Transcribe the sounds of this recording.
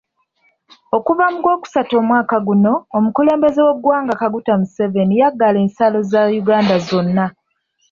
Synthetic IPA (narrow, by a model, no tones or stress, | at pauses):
o̞kuvamuɡo̞ːku̥sato̞ːmwaːkaɡuno̞ːmukule̞ːmbe̞ze̞we̞ɡwaːŋɡakaɡutamuse̞ve̞nijaɡːale̞ːnsalo̞zajuɡaːndazo̞nːa